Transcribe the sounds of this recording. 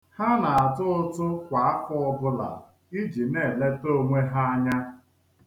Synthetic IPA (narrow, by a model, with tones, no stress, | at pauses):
ha˦na˨a˨tʊ˦ʊ˦tʊ˦kʷa˨a˦fʊ˦ɔ˦bʊ˦la̰˨ | i˦d͡ʒi˨ne˦˨le˦to˦ŋʷe˦ɦa˦a˦ɲa˦